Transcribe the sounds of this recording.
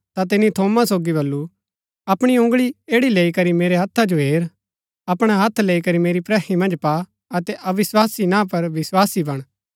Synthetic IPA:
t̪at̪̬ɪnːit̪ʰoːmasoːɡibɐlːu | ɐpɽ̃iʊ̃ŋɡɭieːɽileːikɐɾimeːɾeɦɐt̪ʰːad͡ʒoɦeːɾ | ɐpɽ̃aɦɐt̪ʰleːikɐɾimeːɾipɾɛːimɐ̃nd͡ʒpa | ɐt̪ɛʔɐʋɪswaːsinãpɐɾʋɪswaːsibɐɽ̃

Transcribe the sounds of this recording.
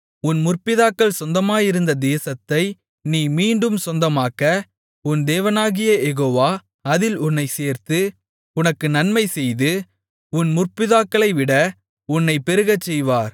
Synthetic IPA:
ʊnmʊrpɪðaːkːɐɭsɔnd̪ɐmaːjɪɾɯnd̪ɐd̪eːsɐt̪ːɐɪ | niːmiːɳɖɯmsɔnd̪ɐmaːkɐ | ʊnd̪eːʋɐnaːɣɪjɐjɛɣoːʋaː | ɐðɪlʊnːɐɪseːɾt̪ɯ | ʊnɐkːɯnɐnmɐɪsɛjðɯ | ʊnmʊrpɪðaːkːɐɭɐɪʋɪɽɐ | ʊnːɐɪpːɛɾɯɣɐt͡ʃːɛjʋaːɾ

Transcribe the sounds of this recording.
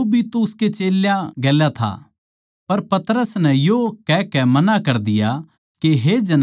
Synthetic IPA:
bʱit̪oʊsket͡ʃeːljãɡeːljat̪ʰa̰ | pɐɾpɐt̪ɾəsnɛjokɛkɛmɐnakɐɾd̪ɪja | keɦed͡ʒɐn

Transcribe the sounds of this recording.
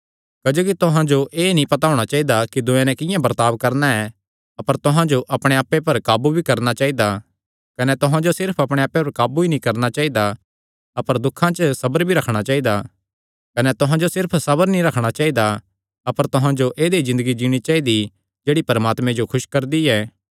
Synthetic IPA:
kɐd͡ʒoːkit̪ʊɦãd͡ʒoʔeːnĩpɐt̪aːʊɽ̃at͡ʃaːid̪akid̪ʊ̃ẽnɛ̃kɪ̃jãbɐɾt̪aːbkɐɾnaɛ | ɐpəɾt̪ʊɦãd͡ʒoʔɐpɽ̃eaːpːepɐɾkaːbubʱikɐɾnat͡ʃaːid̪a | kɐnɛt̪ʊɦãd͡ʒosɪɾpʰɐpɽ̃eaːpːepɐɾkaːbubinĩkɐɾnat͡ʃaːid̪a | ɐpəɾd̪ʊkʰːãt͡ʃəsɐbəɾbʱiɾɐkʰɽ̃at͡ʃaːid̪a | kɐnɛt̪ʊɦãd͡ʒosɪɾpʰsɐbəɾnĩɾɐkʰɽ̃at͡ʃaːid̪a | ɐpəɾt̪ʊɦãd͡ʒoʔeːd̪ezɪ̃nd̪əɡid͡ʒiːɽ̃it͡ʃaːid̪i | d͡ʒeːɽipɐɾmaːt̪mẽd͡ʒokʰʊʃkɐɾd̪iɛː

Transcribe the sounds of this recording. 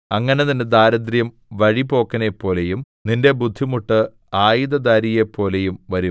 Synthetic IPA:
ɐŋːɐne̞ninde̞d̪aːɾɐd̪rjɐm | ʋɐɻipo̞ːkːɐnepːo̞ːle̞jum | ninde̞bud̪ʱːimuʈːɨ | aːjiðɐd̪aːɾije̞pːo̞ːle̞jumʋɐɾu

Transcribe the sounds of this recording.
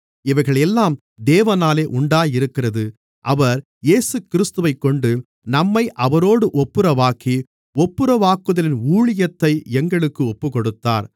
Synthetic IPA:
ɪʋɐɪɣɐɭɛlːaːm | d̪eːʋɐnaːleːʔʊɳɖaːjɪɾɯkːɪrɐðɯ | ʔɐʋɐɾ | jeːsɯkɪɾɪst̪ɯʋɐɪkːɔɳɖɯ | nɐmːɐɪʔɐʋɐɾoːɽɯʔɔpːɯɾɐʋaːki | ɔpːɯɾɐʋaːkːɯðɐlɪnuːɭɪjɐt̪ːɐɪɛŋɡɐɭɯkːɯɔpːɯkɔɽɯt̪ːa̰ːɾ

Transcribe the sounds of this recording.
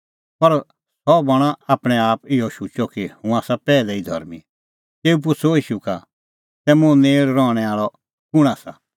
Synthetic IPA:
pɐɾ | sɔbɐɽ̃aaːpɽ̃ɛaːpɪɔʃut͡ʃɔkihũaːsapɛːlɛid̪ʱɔ̰ɾmi | t̪eːup̬ʊt͡sʰoiːʃuka | sɛmʊ̃neːɭɾɔːɽ̃ɛaːɭɔ | kʊɽ̃asa

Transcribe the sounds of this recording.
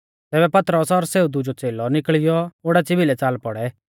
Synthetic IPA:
t̪ɛːbɛpɐt̪ɾəsɔɾseːud̪ʊd͡ʒɔt͡seːlɔnɪkɭɪjɔoːɽɛt͡sɪbʱilɛt͡saːlpɔɽɛ

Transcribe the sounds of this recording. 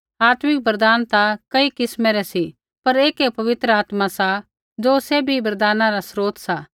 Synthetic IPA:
aːt̪mɪk̚bɐɾd̪aːnt̪akɐikɪsmɛɾɛsi | pɐɾeːkepɐʋɪt̪ɾəaːt̪masa | d͡ʒoːsebʱibɐɾd̪aːnãɾasɾoːt̪saː

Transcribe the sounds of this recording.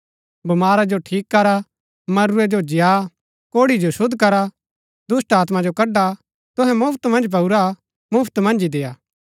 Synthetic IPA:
bɐmaːɾad͡ʒoʈʰiːkːɐɾa | mɐɾuɛd͡ʒod͡ʒɪja | koːɽid͡ʒosʊd̪ʱkɐɾa | d̪ʊsʈaːt̪mad͡ʒokɐɖa | t̪ʊɦɛ̃mʊpʰt̪mɐ̃nd͡ʒp̬ɐuɾa | mʊpʰt̪mɐ̃nd͡ʒid̪eːjaː

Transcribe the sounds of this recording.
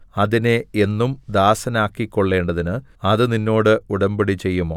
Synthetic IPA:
ɐðinee̞nːumd̪aːsɐnaːkːikːo̞ɭːe̞ːɳɖɐðinɨɐðɨninːo̞ːɽɨuɽɐmbiɽit͡ɕe̞jːumoː

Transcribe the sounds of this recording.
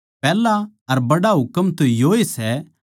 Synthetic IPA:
pɛːla | ɐɾbɐɽaɦʊkəmt̪ojoːesɛ

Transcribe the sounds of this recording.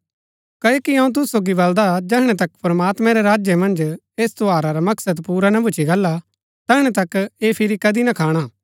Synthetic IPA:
kɐokiɐ̃ũt̪̬ʊssoːɡibɐld̪ad͡ʒɛɦɽ̃ɛt̪ɐkpɾɐmaːt̪mɛ̃ɾeɾaːd͡ʒjəmɐ̃nd͡ʒ | eːst̪oaːɾaɾamɐksəd̪puːɾanɐbʱʊt͡ʃʰiɡɐlːa | t̪ɛːɦɽ̃ɛt̪ɐkeːpʰɪɾikɐd̪inɐkʰaːɽ̃aː

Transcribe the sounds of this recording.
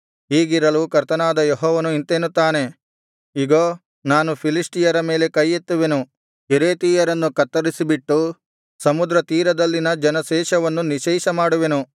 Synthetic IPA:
ɦiːɡiɾɐlukɐɾt̪ɐnaːd̪ɐjɔɦɔːʋɐnuint̪eːnut̪ːaːne̞ | iɡoː | naːnupʰilisʈijɐɾɐmeːle̞kɐjːet̪ːuʋe̞nu | eɾe̞ːt̪iːjɐɾɐnːukɐt̪ːɐɾisibiʈːu | sɐmud̪ɾɐt̪iːɾɐd̪ɐlːinɐd͡ʒɐnɐʃɛːʃɐʋɐnːuniʃɛːʃɐmaːɽuʋe̞nu

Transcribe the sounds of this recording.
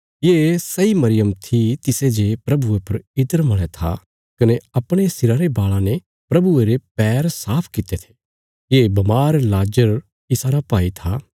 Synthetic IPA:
jeːsɐimɐɾɪjəmt̪ʰit̪ɪsed͡ʒepɾɐbuepɐɾɪd̪əɾmɐɭ̃et̪ʰa̰ | kɐneɐpɽ̃est̪ɪɾaɾebaːɭãne | pɾɐbueɾepɛːɾsaːpʰkɪt̪et̪ʰe̥ | jeːbɐmaːɾlaːd͡ʒəɾ | ɪsaːɾapaːit̪ʰa

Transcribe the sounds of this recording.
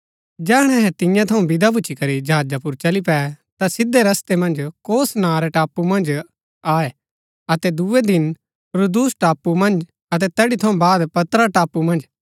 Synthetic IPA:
d͡ʒɛːɽ̃ɛ̃ɦɛ̃t̪ɪ̃jãt̪ʰɐũbɪd̪abʊːt͡ʃʰikɐɾid͡ʒɐɦaːd͡ʒapʊɾt͡ʃɐlipɛːt̪asɪd̪ːeɾɐst̪emɐ̃nd͡ʒkoːsnãːɾɛʈaːpːumɐ̃nd͡ʒ | aːe | ɐt̪ɛd̪ued̪ɪn | ɾud̪uːsʈaːpːumɐ̃nd͡ʒ | ɐt̪̬ɛt̪ɛːɽit̪ʰɐũbaːd̪pɐt̪ɾaʈaːpːumɐ̃nd͡ʒ

